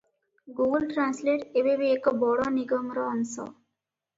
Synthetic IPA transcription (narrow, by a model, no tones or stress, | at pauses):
ɡuɡəlʈɾansleʈebebeːkɔbɔɽɔniɡɔŋɾɔːnsɔ̰